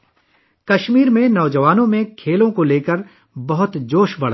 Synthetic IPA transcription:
kɐʃmiːɾmẽnɔːd͡ʒəʋaːnõmẽkʰeːlõkoleːkəɾ | bɐɦʊt̪d͡ʒoːʃbɐɽ̤a

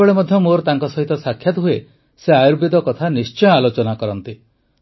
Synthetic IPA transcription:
eɭemɔd̪ʱjɔmoɾɔt̪aŋkɔsɔɦit̪ɔsakʰjat̪uɦue | seajuɾbid̪ɔkɔt̪ʰanist͡ʃɔjɔalot͡ʃɔnakɔɾɔnt̪i

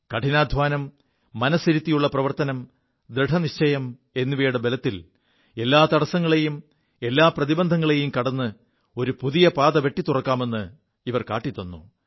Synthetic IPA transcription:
kɐʈʰinaːd̪ʱʋaːnɐmː | ɐnɐsiɾit̪ːijuɭːɐprɐʋɐrt̪ɐnɐm | d̪ɾeʈʰɐniɕt͡ɕɐjɐm | e̞nːuʋeːjɽɐbelɐt̪ːil | e̞lːaːt̪ɐɽɐsɐŋːɐɭe̞jum | e̞lːaːprɐðibɐnd̪ʱɐŋːɐɭe̞jumkɐɽɐnːɨ | o̞ɾupuðijɐpaːd̪ɐʋe̞ʈːit̪urɐkːaːme̞nːɨ | iʋɐrka̰ːʈːit̪ːɐnːṵ

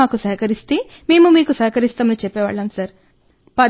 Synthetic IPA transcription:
aːkusɐɦɐkɐɾist̪eː | me̞ːmumiːkusɐɦkɐɾist̪aːmɐnit͡ʃɛpːɛːʋa̰ːɭːamsɐɾ | pɐ

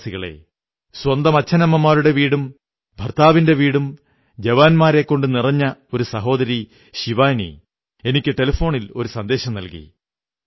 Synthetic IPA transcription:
siɣɐɭe̞̰ | swɐnd̪ɐmɐt͡ɕʰːɐnɐmːɐmːaːɾuɽe̞ʋiːɽum | bʱɐrt̪aːʋinde̞ʋiːɽum | d͡ʑeʋaːnmaːɾe̞kːo̞ɳɖɨnirɐɲːɐo̞ɾusɐɦo̞ːd̪ɐɾi | ɕiʋaːjnḭ | e̞nikʲːɨʈe̞lɐfo̞ːɳilo̞ɾusɐnd̪e̞ːɕɐmnɐlkḭ

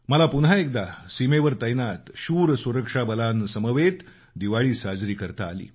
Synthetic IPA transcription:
məlapunɦaek̚d̪asimeʋəɾt̪əjnat̪ɕuːɾsuɾəkʂabəlansəməʋet̪ | d̪iʋaɭiːsad͡zɾiːkəɾt̪a̰ːlḭː

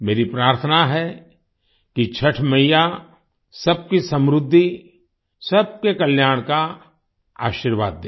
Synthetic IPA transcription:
meːɾipɾaːɾt̪ʰənaɦɛ | kit͡ʃʰɐʈʰməjja | sɐb̚kisɐ̃mɾʊd̪ʱːi | sɐb̚kekɐljaːɽ̃ka | a̰ːʃiɾʋaːd̪ːeː

